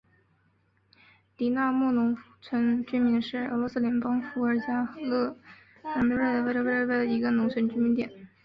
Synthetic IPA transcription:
t̪i˨˧˥na˥˧mɔ˥˩nʊ˧˥ŋ | t͡sʰwə˧˥nt͡ɕy˥nmi˧˥ŋʂɻ̩˥˩ə̰˧˥lwɔ˧˥sɹ̩˥˩ljɛ˧˥npɑ˥ŋfu˧˥ə˞˧˥t͡ɕja˥˧˥lɤ˥˩ | ka˥˩pɻə˥˩d̪ə˩wə˧˥we˥˧ə˧˥e˥˩d̪ə˩i˧˥ɡə˧nʊ˧˥ŋt͡sʰwə˧˥nt͡ɕy˥mi˧˥nt̪jɛ˨˩˦n

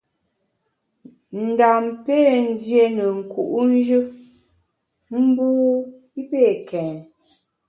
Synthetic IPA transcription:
n̩˨da˨mpe˦˨n̩˦dje˦nə˨ŋ̩˨ku˨ʔn̩˦d͡ʒɨ˦ | m̩˦buː˦ | i˦pe˦˨kɛː˨n

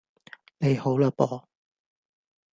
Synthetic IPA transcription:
ne˨˧jho˨˥wlaː˧pɔː˨˩

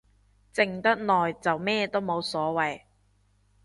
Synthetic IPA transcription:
t͡sɪ˨˧ŋt̪ɐ˥t̚nɔː˨jt͡sɐ˨wmɛː˥t̪o˥wmo˨˧wsɔː˨˥wɐ˨j

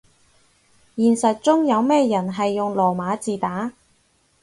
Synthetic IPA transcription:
jiː˨˩nsɐ˨t̚t͡sʊ˥ŋjɐ˨˧wmɛː˥jɐ˨˩nɦɐ˨jːʊ˨ŋlɔː˨˩maː˨˧˥t͡siː˨t̪aː˨˥

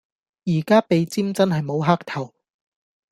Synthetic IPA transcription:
jiː˨˩kaː˥pe˨˧jt͡siː˥mt͡sɐ˥nɦɐ˨jmo˨˧wɦaː˥k̚t̪ʰɐ˨˩w

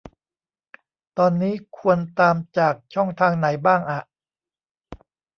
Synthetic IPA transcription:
t̪ɔː˧nːiː˦˥kʰu˧ənt̪aː˧mt͡ɕaː˨˩k̚t͡ɕʰɔ˥˩ŋt̪ʰaː˧ŋna˩˦jbaː˥˩ŋʔa˨˩ʔ

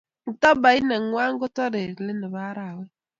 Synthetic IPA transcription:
ŋ̩˨tɔ˦ba˨i˦ne˨ŋ˨ŋʷa˦ŋ̩˦ɡʊ˦tɔ˦ɾe˨ɾle˦ne˨βa˦ɾa˨we˦

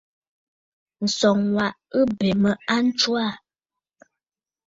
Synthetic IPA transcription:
n̩˨sɔ˨ŋwa˨ʔɨ˦bɛ˨mə˨a˦n̩˦t͡ʃwa˦˨

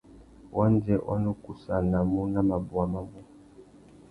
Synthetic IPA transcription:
wʔa˦nd͡ʒɛ˦wʔa̰˦nu˦ku˨sa˦na˨mu˦na˦ma˨bu˨a˨ma˦˨bu˦

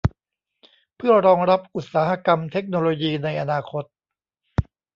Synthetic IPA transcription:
pʰɯ˥˩ɐɾɔː˧ŋɾa˦˥p̚ʔu˨˩t̪̚saː˩˦ha˧ka˧mt̪ʰe˦˥k̚noː˧loː˧jiː˧na˧jʔa˧naː˧kʰo˦˥t̪̚

